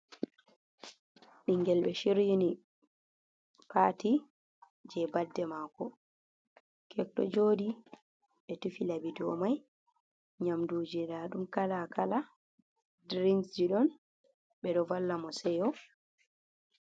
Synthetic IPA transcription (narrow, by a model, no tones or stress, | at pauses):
ɓiŋɡɛlɓɛʃiɾjini | pati | d͡ʒɛbadːɛmaːkɔ | kʰɛk̚ɗɔ̰d͡ʒoːdi | ɓɛtufilabidɔ̰maj | ɲamduːd͡ʒidaɗumkalakala | dɾinsd͡ʒiɗɔn | ɓɛɗɔvalːamɔsɛjɔ